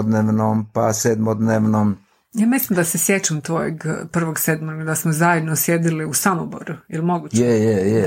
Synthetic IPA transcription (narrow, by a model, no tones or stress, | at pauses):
d̪neʋnompased̪mod̪neʋnom | jaːmislimd̪asesjet͡ʃamt̪ojḛɡpr̩ʋoɡsed̪moɾɡd̪asmozajed̪nosjed̪iliusamobo̰ɾuilmo̞ɡut͡ʃjejeje